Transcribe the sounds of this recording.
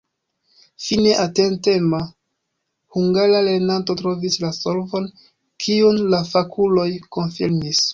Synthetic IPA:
fine̞ʔatentema | huŋɡaɾale̞ɾnanto̞tɾo̞vislaso̞lvo̞n | kʰiunlafakʰulo̞jko̞nfiɾmis

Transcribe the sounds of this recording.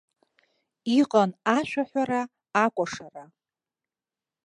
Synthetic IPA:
iqʼanaʃʷᶣaħʷᶣaɾaː | kʷʼaʂara

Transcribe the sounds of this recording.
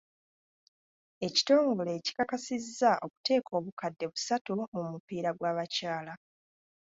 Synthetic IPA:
e̞ci̥to̞ːŋɡole̞ːci̥kakasizːaʔo̞ku̥te̞ːkʰo̞ːβukadːe̞βusatumumupiːɾaɡwaːβacaːla

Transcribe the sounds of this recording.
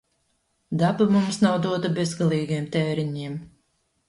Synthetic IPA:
d̪abamumsnawd̪uɔt̪abezɡalˠiːɡijɛmt̪ɛːɾiɲiɛm

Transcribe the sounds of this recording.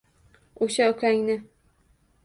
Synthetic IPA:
oʃaʊkʲʰaŋnɪ

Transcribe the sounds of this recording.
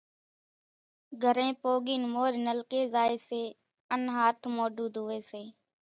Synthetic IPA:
ɡʱəɾẽːpoːɠiːnmoːɾnəlkeːzaːeːseː | ənɦaːt̪ʰmoːɖuːd̪ɦʊʋeːseː

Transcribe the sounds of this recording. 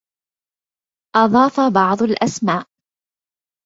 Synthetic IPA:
ʔɑðˤɑːfabɑʕd̪ˤʊlʔasmaːʔ

